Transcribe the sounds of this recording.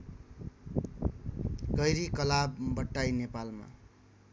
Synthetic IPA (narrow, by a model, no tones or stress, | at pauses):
ɡʌjɾikʌlabːʌʈːajnepalma̰